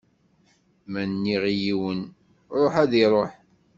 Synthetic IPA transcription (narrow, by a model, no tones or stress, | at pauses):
mænːiʁijiwən | ɾˤoħæðiɾˤoħ